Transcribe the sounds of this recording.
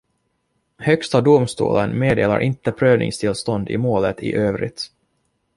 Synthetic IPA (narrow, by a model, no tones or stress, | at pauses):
hœkst̪ad̪ʊmst̪ṵːlənmeːd̪eːla̰ɾʔɪnt̪əpʰɾøːvnɪ̰ŋst̪ʰɪlst̪ɔnd̪ɪ̰moːlət̪ɪ̰ʔøːvɾɪ̰t̪